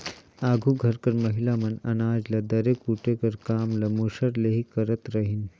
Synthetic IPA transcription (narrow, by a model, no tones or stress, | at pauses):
aːɡʱuɡʱɐɾkɐɾmɐɦilamɐnɐnaːd͡ʒlɐd̪ɐɾeːkuʈekɐɾkaːmlɐmoʃɐɾleɦikɐɾət̪ɾɐɦin